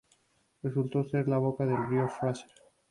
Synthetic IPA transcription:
result̪oseɾlaβ̞okaðelɣɾjosaseɾ

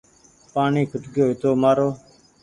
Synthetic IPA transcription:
paːɳiːkʰʊʈɡjoːɪt̪oːmaːɾoː

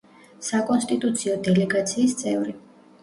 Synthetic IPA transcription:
sakʼɔnst̪ʼit̪ʼut̪sʰiɔd̪ɛlɛɡat̪sʰiːst̪sʼɛvɾi

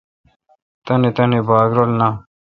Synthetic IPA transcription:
t̪ɐnit̪ɐnibaːɡɾolna

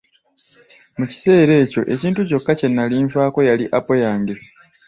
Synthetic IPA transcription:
muci̥se̞ːɾe̞ːco̞ʔe̞ciːntuco̞kːace̞nːaliːɱfaːko̞jaliʔapo̞jaːŋɡe̞

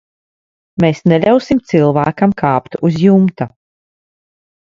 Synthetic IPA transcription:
meːsnelʲawsimt̪silˠvæːkamkʰaːpt̪uzjumt̪a

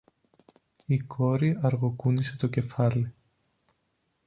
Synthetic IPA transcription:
ikʰo̞ɾiɐɾɣokuniset̪o̞ce̞fɐli

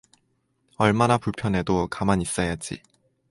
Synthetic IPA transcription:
ʌɭmanapuɭpʰjʌne̞dokamanis͈ajad͡ʑḭ

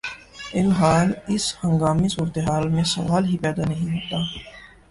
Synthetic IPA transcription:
ɪlɦaːnɪshɐ̃ŋɡaːmisuːɾt̪eɦaːlmẽsɐ̰ʋaːlɦipɛːd̪anɐɦĩɦoːt̪aː

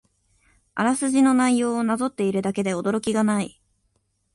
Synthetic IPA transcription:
a̰ɾasɨʑino̞naijo̞ːnazo̞t̪ːe̞iɾɯ̟d̪ake̞d̪e̞o̞d̪o̞ɾo̞kʲiɡanai

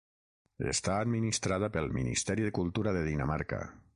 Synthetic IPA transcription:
ḛst̪aːd̪minist̪ɾaðəpəlˠminḭst̪ɛɾiðəkulˠt̪uɾaðeðinamaɾka̰

